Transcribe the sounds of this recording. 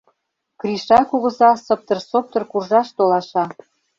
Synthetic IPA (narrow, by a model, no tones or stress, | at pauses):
kriʃɑkuɣɤ̆zɑsɤ̆p̚t̪ɤ̆rsop̚t̪ɤ̆rkurʒɑʃt̪olɑʃɑ